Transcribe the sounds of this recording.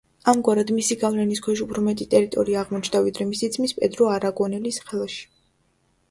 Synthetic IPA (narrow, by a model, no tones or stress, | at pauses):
amɡwaɾad̪misiɡavlɛniskʰwɛʃupʰɾɔmɛt̪ʼit̪ʼɛɾit̪ʼɔɾiaːʁmɔt͡ʃʰd̪avid̪ɾɛmisid̪zmispʼɛd̪ɾɔaɾaɡɔnɛlisχɛlˠaʃi̥